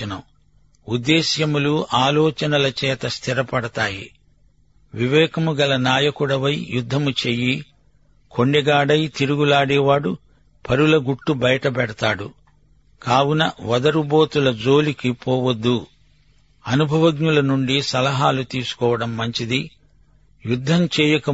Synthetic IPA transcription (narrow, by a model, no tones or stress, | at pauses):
ɐnɐ | ud̪ːɛːʃjɐmuluʔaːlɔːt͡ʃɐnɐlɐt͡ʃɛːt̪ɐst̪ʰiɾɐpɐɽɐt̪aːjḭ | ʋiʋɛːkɐmuɡɐlɐnaːjɐkuɽɐʋɐjjud̪ʱːɐmut͡ʃeji | kʰo̞ɳɖɛɡaːɽɐjt̪iɾuɡulaːɽɛːʋaːɽu | pʰɐɾulɐɡuʈːubɐjɐʈɐbɛɽɐt̪aːɽu | kaːwunɐʋɐd̪ɐɾuboːt̪ulɐd͡ʒoːlikipoːʋɐd̪ːu | ɐnubʱɐʋɐɡnulɐnuɳɖisɐlɐɦaːlut̪iːsu̥kɔːʋɐɽɐmːɐɲt͡ʃid̪i | jud̪ʱːɐmt͡ʃɛːjɐkɐ